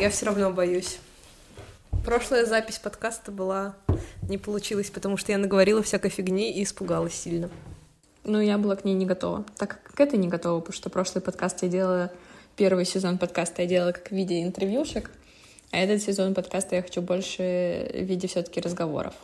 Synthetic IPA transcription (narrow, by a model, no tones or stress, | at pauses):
jafsʲoɾɐvnobɐjusʲ | pɾo̞ʂlˠəjəzapʲɪsʲpɐt̪kast̪əbɨlˠanʲɪpəlˠʊt͡ɕilˠəsʲpət̪ɐmuʂt̪ojanəɡəvɐɾʲilˠəfsʲakəjfʲɪɡnʲeiːspʊɡalˠəsʲːilʲnə | nujabɨlˠaknʲejnʲɪɡɐt̪o̞̰və̰t̪akːkkːɛt̪əjnʲɪɡɐt̪o̞vəpt̪o̥ʂt̪opɾo̞ʂlˠɨjpɐt̪kast̪jadʲelˠəlˠəpʲe̞rvɨjsʲɪzo̞npɐt̪kast̪əjadʲelˠlˠkakvʲidʲɪəɪnt̪ɨrvʲjuʂɨk | ɐɛt̪ət̪sʲɪzo̞npɐt̪kast̪əjaxɐt͡ɕubo̞lʲʂɨvʲidʲɪfsʲot̪ə̥kʲɪɾəzɡɐvo̞̰ɾə̰f